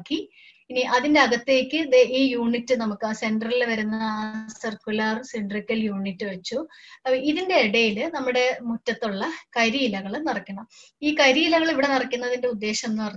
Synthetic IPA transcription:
kːi | iniʔɐðinde̞ɐɡɐt̪ːeːkʲːɨeʔiːjuːɳitːɨnɐmukːase̞nɖrɐrilʋɐɾunːɐaːsɐrkulɐrsiɳɖrikʲːɐljuːɳitːɨʋɐt͡ɕːuiðinde̞ːɽɐjilɨnɐmːuɽe̞mutːɐt̪ːuɭːɐkɐjɾijilɐɣɐɭnɐrɐkːɐɳɐm | iːkɐjɾijilɐɣɐɭiʋiɽe̞nɐrɐkːunːɐðinde̞ud̪ːe̞ːɕɐmenːupɐrɐ

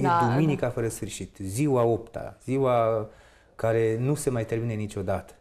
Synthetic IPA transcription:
jd̪uminikafəɾəsfɨrʃit̪ziwao̞pt̪a̰z̥iwa | kaɾe̞nuse̞majt̪e̞rminenit͡ʃʲo̞d̪at̪ə̥

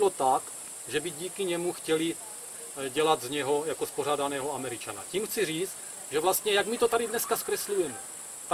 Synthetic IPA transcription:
lot̪ak | ʒɛbiɟiːkiɲɛmuxcɛli | ɟɛlad̪zɲɛɦo̞jakosporaːdanɛːɦoamɛɾɪt͡ʃana̰ciːmxt͡siriːt͡st̪ | ʒɛvlast̪ɲɛjaɡmit̪ot̪adidnɛskaskɾɛslujɛmɛ | t̪a

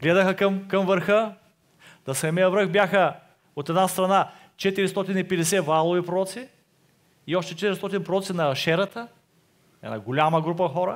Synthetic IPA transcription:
ɡlɛd̪əxəkɐmkɐmvəɾxə | nɐsɛmijəvɾəxbjaxə | ot̪ɛd̪nast̪ɾɐna | t͡ʃɛt̪iɾist̪ɔt̪inipɛd̪ɛsɛvalˠovipɾoɔt̪si | iɔʃt̪ɛt͡ʃɛt̪iɾist̪ɔt̪inpɾoɔt̪sinɐʃɛɾət̪ə | ɛ̰na̰ɡolʲaməɡɾup̬ɐxɔɾə

